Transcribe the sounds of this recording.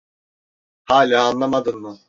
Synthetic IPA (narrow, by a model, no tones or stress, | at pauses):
haːlʲaːnlˠamad̪ɯnmɯ